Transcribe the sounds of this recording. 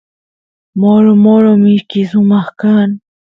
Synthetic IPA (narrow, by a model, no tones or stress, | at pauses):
moɾomɔɾomiɾkizũmahkan